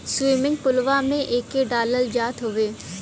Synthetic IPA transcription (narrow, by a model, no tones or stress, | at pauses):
swɪːmɪ̃ŋɡpʊlʋamẽʔeːkeɖaːləld͡ʒaːt̪ɦʊʋeː